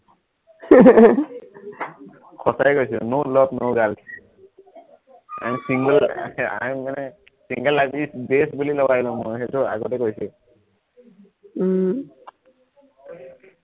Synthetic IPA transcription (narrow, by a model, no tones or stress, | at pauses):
kʰɔsajɛkojsinolɔtnowɡal | a̰misiŋɡɛla̰manɛ | siŋɡɛlːajbisbesbulilɔwailɔ̃mɔjxetua̰ɡɔtɛkojsi